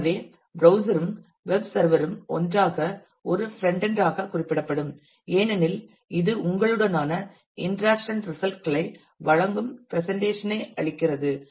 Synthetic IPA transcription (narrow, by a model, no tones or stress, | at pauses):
ʋeː | bɾɐʊsɐɾɯm | ʋɛbsɐɾʋɐɾɯmɔ̰ndraːɣɐ | ɔɾɯfɾɛɳɖɛndraːɣɐkʊrɪpːɪɽɐpːɐɽɯm | eːnɐnɪl | ɪðɯʔʊŋɡɐɭɯɽɐnaːnɐ | ɪnɖɾaːkʂɐnɾɪsɐlʈ̚kɐɭɐɪ | ʋɐɻɐŋɡɯmpɪɾɛsɛɳʈeːʂɐnɐɪɐɻɪkːɪrɐðɯ